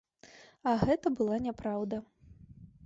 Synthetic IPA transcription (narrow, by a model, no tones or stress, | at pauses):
ɐɣɛt̪ɐbɨlˠanʲɛpɾawd̪ɐ